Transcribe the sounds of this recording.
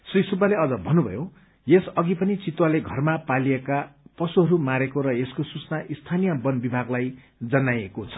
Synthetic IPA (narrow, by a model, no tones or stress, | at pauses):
srisubaleʌd͡zʌbʱʌnːubʱʌ̰jo | jesʌɡipʌnit͡sit̪waleɡʱʌrmapalijekapʌsuɦʌɾumaɾekoɾʌjeskosut͡snaʔist̪ʰanijʌbʌnbibʱaɡlaj | d͡zʌnajekot͡sʰʌ̥